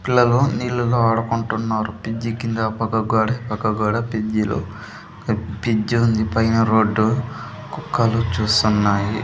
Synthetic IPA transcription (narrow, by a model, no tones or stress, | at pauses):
pilːɐloːniːlːulɐaːɽɐkuɳʈunːaːɾupid͡ʒːikind̪ɐpɐɡɐɡaːɽɐpɐɡɐɡaːɽɐpid͡ʒːilo̰ | pid͡ʒːund̪ipɐjnɐɾo̞ːɖːu | kukːɐlut͡ʃuːst̪unːaːjḭ